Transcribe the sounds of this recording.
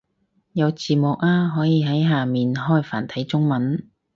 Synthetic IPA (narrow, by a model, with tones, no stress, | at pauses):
jɐ˨˧wt͡siː˨˩mʊ˨k̚aː˧ɦɔː˨˥jiː˨˧ɦɐ˨˥jɦaː˨miː˨nɦɔː˥jfaː˨˩nt̪ʰɐ˨˥jt͡sʊ˥ŋmɐ˨˥n